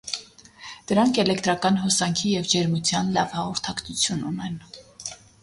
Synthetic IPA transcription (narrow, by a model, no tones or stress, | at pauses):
d̪̥əɾɑŋkʰɛlɛkt̪ɾɑkɑnɦɔsɑŋkʰijɛvd͡ʒɛɾmut͡sʰjɑnlɑvhɑʁɔɾt̪ʰɑkt͡s̪ʰut͡sʰjununɛn